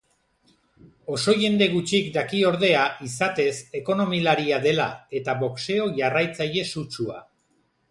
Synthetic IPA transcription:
o̞so̞je̞nd̪e̞ɣ̞ut͡ʃikd̪akio̞ɾð̞e̞aʔisat̪e̞se̞ko̞no̞milaɾiaðe̞la̰e̞t̪aβokse̞o̞ʝarajt͡saʎe̞sut͡ʃua̰

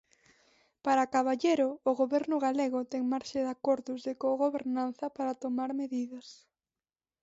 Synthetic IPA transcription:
paɾakaβaʎeɾʊːɣoβɛɾnʊɣaleɣʊt̪ɛŋmaɾʃɪðakɔɾðʊzðɪkoɣoβeɾnanθɐpaɾɐt̪omaɾmeðiðɐs

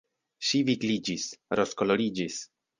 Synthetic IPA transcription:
ʃiviɡlid͡ʒisɾo̞skolo̞ɾid͡ʒis

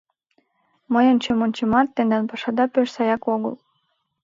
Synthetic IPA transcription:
məjənʲt͡ɕemonʲt͡ɕemɑt̪ːend̪ɑnpɑʃɑd̪ɑpøʃsɑjɑkoɣə̰l

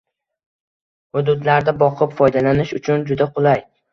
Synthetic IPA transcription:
hʊd̪ʊd̪laɾd̪abɒqʰɨpfɒjd̪alanɪʃʊt͡ʃʰʊnd͡ʒʊd̪aqʰʊlˠaj

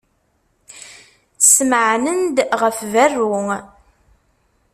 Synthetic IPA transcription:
θə̥sməʕnənd̪ʁəfværːu

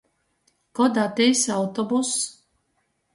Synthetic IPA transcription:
kɔd̪at̪ɛjsawt̪ɔbus

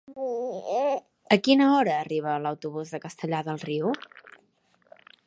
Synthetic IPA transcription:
əkinəɔɾəːriβ̞ələwt̪uβuzðəkəst̪əʎaðəlˠriu

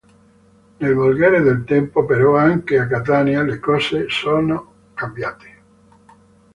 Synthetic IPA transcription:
nelβolɣeɾeðelt̪empopeɾoaŋkeak̬at̪anjalekosesono | kambjat̪e̥

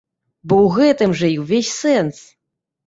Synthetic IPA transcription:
bɔwɣɛt̪ɨmʐɐiwvʲesʲsɛns

